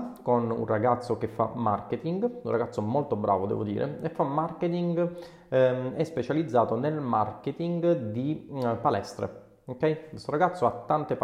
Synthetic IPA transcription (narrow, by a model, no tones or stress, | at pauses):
konṵnraɡat̪sːokefːa̰mːa̰rket̪iŋɡunraɡat̪sːomolt̪obɾa̰ːvod̪ɛ̰ːvod̪ḭːɾʔḛefːamːarket̪iŋɡ | ɛspet͡ʃalid̪zːaːt̪onelmarket̪iŋɡd̪ipalɛst̪ɾḛ | okɛjkest̪oɾaɡat̪sːoat̪ːant̪ep